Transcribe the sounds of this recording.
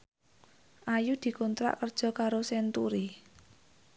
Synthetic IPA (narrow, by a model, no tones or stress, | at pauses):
ʔajud̪̥i̤kont̪ɾa̰ʔkərd̥ʒ̥ɔ̤kaɾosɛnt̪uɾi